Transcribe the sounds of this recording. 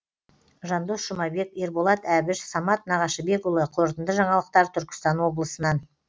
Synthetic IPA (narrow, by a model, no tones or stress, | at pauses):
ʒɑnd̪osʒ̥ʊmɑbe̞ke̞ɾbolˠɑt̪æbɪʃsɑmɑt̪̚nɑʁɑʃəbe̞kʊlˠəqʰo̞ɾt̪ənd̪əʒɑɴɑlˠəq̚t̪ɑɾt̪ʰʏɾkʲɪ̥st̪ɑnwo̞blˠəsənɑn